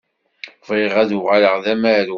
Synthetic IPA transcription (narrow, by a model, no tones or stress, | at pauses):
viʁæðʊʁaləʁðæmæɾ